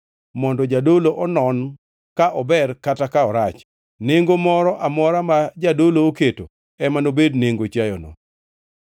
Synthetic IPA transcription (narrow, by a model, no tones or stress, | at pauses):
mɔndɔd͡ʒadoloʔɔnɔn | kaʔɔbɛrkatakaɔɾat͡ʃ | neŋɡomɔɾɔʔamɔɾamad͡ʒadolooketo | ɛmanobedneŋɡot͡ʃajɔnɔ̰